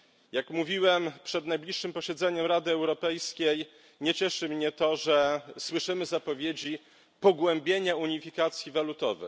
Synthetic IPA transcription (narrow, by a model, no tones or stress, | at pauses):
jakmuvʲiwɛmpʂɛd̪najblʲiʂːɘmpɔɕɛd̪zɛɲɛmɾad̪ɘɛwɾɔpɛjskʲej | ɲɛt͡ɕɛʂɘmɲɛt̪ɔʐɛswɘʂɘmɘzapɔvʲjed͡ʑi | pɔɡwɛmbʲjeɲauɲifʲikat̪sʲjivalut̪ɔ̰vɛ̰